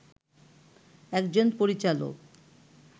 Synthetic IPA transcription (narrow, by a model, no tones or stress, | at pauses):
ɛkd͡ʑonpoɾit͡ɕalo̰k